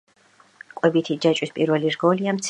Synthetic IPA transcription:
kʼwɛbit̪ʰid͡ʒat͡ʃʼwispʼiɾvɛliɾɡɔliamt̪sʰ

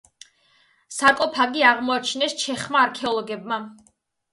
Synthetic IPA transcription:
saɾkʼɔpʰaɡiaʁmɔat͡ʃʰnɛst͡ʃʰɛχmaːɾkʰɛɔlˠɔɡɛbma

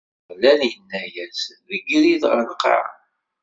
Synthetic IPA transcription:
lænjənːæjæsðəɡliðʁə̰ɾlqːʕ̰

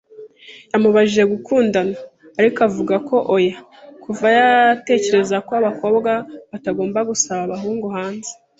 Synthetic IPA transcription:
jamuβaʒiʒe̞ɡukʰuːndanaː | ɾikavuɡakʰo̞ʔoja | kʰuvajate̞ːce̞ɾe̞zakoaβako̞ːbɡaβataɡo̞ːmbaɡusaβaβaɦuːŋɡuhaːnze

